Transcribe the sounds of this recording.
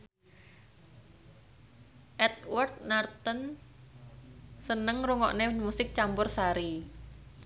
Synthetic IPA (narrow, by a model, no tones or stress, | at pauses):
ʔɛt̪̚wɔrt̪̚nart̪ən | sənəŋruŋɔ̰ʔnemusɪk̚t͡ʃampʊrsaɾi